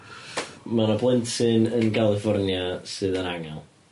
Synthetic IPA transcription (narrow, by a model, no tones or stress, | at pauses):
manablˠɪntʰɨnənɡalˠɪfɔrnjasɨːðənaŋalˠ